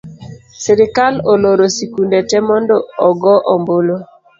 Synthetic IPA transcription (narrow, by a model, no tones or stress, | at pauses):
siɾɪkaloloɾosikundetɛmɔndɔɔɡɔʔɔmbolo